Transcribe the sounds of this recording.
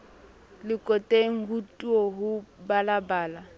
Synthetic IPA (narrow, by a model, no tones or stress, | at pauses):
lɪkʼɔtʼeŋ̩ɦutʼuɔɦʊbalabaːla